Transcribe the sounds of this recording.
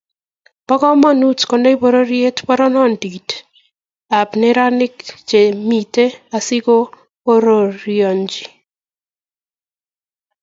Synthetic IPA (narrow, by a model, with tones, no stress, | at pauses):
pɔ˦kɔ˦mɔ˦nu˦tkɔ˨ndɔ˦i˦po˨ɾo˦ɾje˦tpɔ˦ɾɔ˦nɔ˦˨ndi˨d | a˨pnɛ˦ɾa˦nɪ˦kt͡ʃe˨mi˨te˦a˨sɪ˦ko˦ | o˦ɾo˨ɾjo˨ɲd͡ʒi˨